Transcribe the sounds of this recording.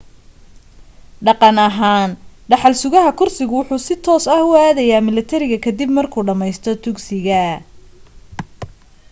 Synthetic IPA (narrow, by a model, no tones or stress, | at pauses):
ɖɑqɑnɐɦaːnɖɑħɑlsʊɣɐɦɐkʰʊrsɪɣʊwʊħuːsɪt̪ʰɔːsɐhʊaːðɐjaːmɪlɐt̪ʰɐɾɪɣɐkʰɐd̪ibmɐrkʰuːɖɐmɛjst̪ʰɔt̪ʰʊksɪɣɐ